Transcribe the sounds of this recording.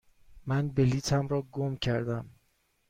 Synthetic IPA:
mænbeliːt̪ʰæmɾɒːɡomcʰæɾd̪æm

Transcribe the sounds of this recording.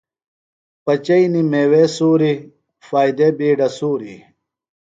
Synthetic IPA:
pɐt͡ɕɐinimeːwesuːɾi | faːjd̪ebiːɖɐsuːɾḭ

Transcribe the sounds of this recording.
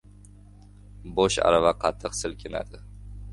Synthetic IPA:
boʃa̰ɾavaqʰɑt̪ʰːɨqsɪlkʲʰɪna̰d̪ɪ

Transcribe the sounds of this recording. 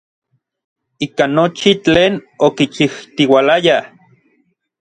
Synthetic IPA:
ikanːot͡ʃit͡ɬeːnokit͡ʃiht̪iwalaja

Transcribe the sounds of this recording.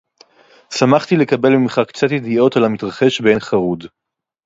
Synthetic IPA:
samaχt̪ile̞kabe̞lmimχakt͡sat̪jed̪io̞talamitʁaχe̞ʃbe̞nχaʁud

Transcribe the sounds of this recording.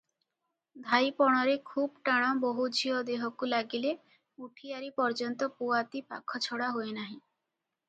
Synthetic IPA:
d̪ʱajpɔɽ̃ɔɾekʰubɔʈaɽ̃ɔboɦud͡ʒʱiɔd̪eɦɔkulaɡile | uʈʰiaɾipɔɾd͡ʒɔnt̪ɔpuat̪ipa̰kʰɔt͡ʃʰɔɽaɦoenaɦĩ

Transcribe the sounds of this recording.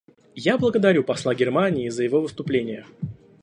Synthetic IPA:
jablˠəɡəd̪ɐɾʲupɐslˠaɡʲɪrmanʲɪːzəjɪvo̞vɨst̪ʊplʲenʲɪjə

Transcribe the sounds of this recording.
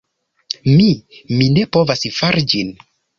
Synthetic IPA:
mimine̞po̞vasfaɾid͡ʒin

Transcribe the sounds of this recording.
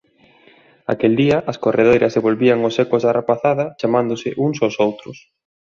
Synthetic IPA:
a̰keld̪iɐʔɐskorʔeð̞ejɾʔɐzðeβolβiɐŋʊsɛkʊzðarapaθaðɐt͡ʃamãnd̪ʊsɪʔuŋsosowt̪ɾʊs

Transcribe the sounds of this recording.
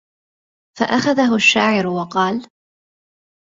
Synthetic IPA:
fa̰ʔaxaðaɦʊʃːaːʕɪɾʊwɑqɑːl

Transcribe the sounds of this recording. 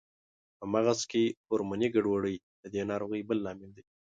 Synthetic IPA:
pəmaɣaskeoɾmaniɡaɖwaɽəj | d̪̥əd̪enɑɾoɣəjbəlːɑmɪld̪i

